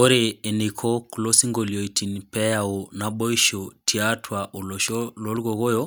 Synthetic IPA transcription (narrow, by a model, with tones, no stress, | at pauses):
o˦ɾeː˨nikʰo˦kulo˦si˦ŋɡo˨lio˨i˨tʰi˨npɛ˦jao˨na˨ɓo˦iʃotʰi˨atʰwaʔo˨loʃolo˦lɡoɣo˦jo